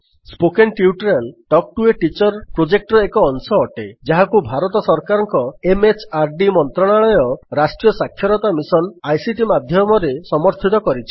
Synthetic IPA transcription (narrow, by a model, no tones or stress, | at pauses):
spokenʈiuʈɾalʈɔk̚ʈueʈit͡ʃɔɾpɾod͡ʒek̚ʈɾɔekɔːnsɔːʈed͡ʒaɦakubʱaɾɔt̪ɔsɔɾkaɾɔŋkɔemet͡ʃaɾɖimɔnt̪ɾɔɽ̃aɭɔjɔɾasʈɾijɔsakʰːjɔɾɔt̪amisɔnajsiʈimad̪ʱjɔmɔɾesɔmɔɾt̪ʰit̪ɔkɔɾit͡ʃʰi̥